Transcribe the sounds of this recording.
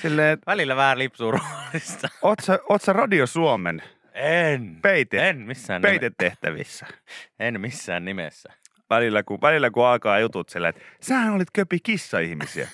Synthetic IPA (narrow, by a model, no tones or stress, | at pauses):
silːeit̪ʋælilːæʋæhælipsuːruɑlist̪ɑot̪sɑot̪sɑrɑdiosuomḛn | enpeit̪eenmisːæːnpeit̪et̪ːeht̪æʋḭsːæ̥enmisːæ̰ːnnimḛsːæ | ʋælilːækuʋælilːækuɑlkɑːjut̪ut̪silːæ̰t̪sæhænolit̪køpikisːɑihmisiæ̰